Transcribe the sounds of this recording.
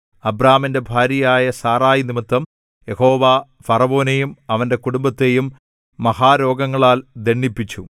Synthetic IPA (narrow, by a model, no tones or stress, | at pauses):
ɐbraːminde̞bʱaːɾjɐjaːjɐsaːraːjinimit̪ːɐm | je̞ho̞ːʋaː | fɐrɐʋo̞ːnejumɐʋɐnde̞kuɽumbɐt̪ːe̞jumː | ɐhaːɾo̞ːɡɐŋːɐɭaːld̪eɳːipːit͡ɕːu